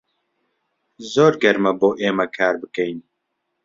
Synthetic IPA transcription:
zoːɾɡɐɾmɐboːʔeːmɐkʰaːɾbɨkɛjn

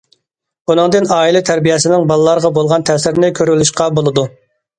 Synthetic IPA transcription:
bunɨŋd̪ɨnɑːilˠɪt̪ʰæɾbijɛsɪnɪŋbɑlˠɨlˠɑɾʁɑbolˠʁɑnt̪ʰɛsɪɾnɪkʲʰøɾylyʃqɑbolˠɨd̪u

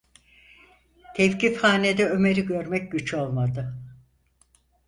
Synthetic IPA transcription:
t̪ʰɛfcifhaːne̞d̪ɛø̞me̞ɾiɟø̞ɾmɛc̚ɟyt͡ʃo̞lˠmad̪ɯ

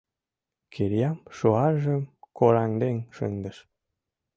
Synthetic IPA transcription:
kʰeɾjɑmʃoɑʒə̆mkoɾɑŋd̪eŋʃə̰nd̪ə̆ʃ

